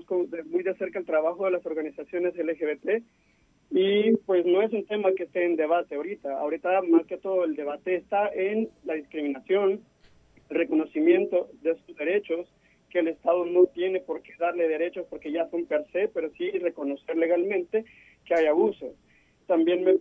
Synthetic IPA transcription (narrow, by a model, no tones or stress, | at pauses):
skoðemujðe̞se̞ɾkaelt̪ɾaβaxoðe̞laso̞ɾɣanisasjo̞ne̞selexeβet̪e | ipwe̞sno̞e̞s̬unt̪e̞makest̪e̞ːnd̪e̞β̞at̪eaoɾit̪aa̰oɾit̪amaske̞t̪o̞ðoeld̪e̞βat̪e̞ːst̪aʔenlaðiskɾimĩnasjo̞n | elre̞ko̞no̞simje̞nt̪o̞ðesuzðe̞ɾe̞t͡ʃo̞s | keːle̞st̪aðo̞no̞t̪je̞ne̞po̞ɾke̞ðaɾle̞ðe̞ɾe̞t͡ʃo̞spo̞ɾke̞ʝaso̞mpe̞ɾse̞pe̞ɾo̞sire̞ko̞no̞se̞ɾle̞ɣalmẽnt̪e̞ | keajaβuso̞ | t̪ambje̞nme